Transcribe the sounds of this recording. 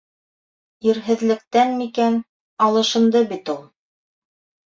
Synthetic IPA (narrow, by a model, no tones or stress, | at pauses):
iɾɦɘ̆ðlɘ̆k̚t̪ænmikæn | ɑlˠɤ̆ʃɤ̆nd̪ɤbit̪ulˠ